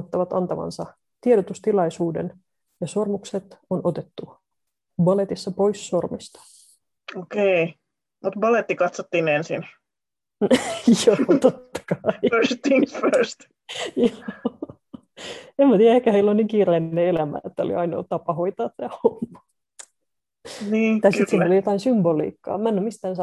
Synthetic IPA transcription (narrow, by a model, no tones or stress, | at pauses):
t̪ːɑʋɑt̪ɑnt̪ɑʋɑ̰nsɑ | t̪ieɾot̪ust̪ilɑisuːdḛn | jɑsormukset̪onʔot̪et̪ːu | bɑlet̪isːɑpoissormist̪ɑ̥ | okei | mut̪bɑlet̪ːikɑt̪sot̪ːinensḭn | joːt̪ot̪ːɑ̥kɑiøst̪iŋføst̪ | joː | emæt̪iːjæehkæheilːonniːŋkiːreinneelæmæ̰et̪ːæo̰lḭɑino̰t̪ɑpɑhoit̪ɑːt̪ːæhomːɑ | niːt̪ɑisisiːnolijot̪ɑinsymbolḭːkːɑ̰ːmænːymist̪æːnsɑ